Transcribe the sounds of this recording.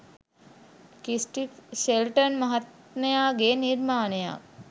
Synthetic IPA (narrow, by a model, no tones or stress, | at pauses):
kisʈifʃelʈənmɐɦat̪nejaːɡeniɾmaːneja̰